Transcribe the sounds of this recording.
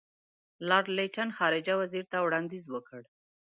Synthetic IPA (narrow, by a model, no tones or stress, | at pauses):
lɑɾleʈanxɑɾɪd͡ʒawaziɾt̪awɽɑnd̪izwəkəɽ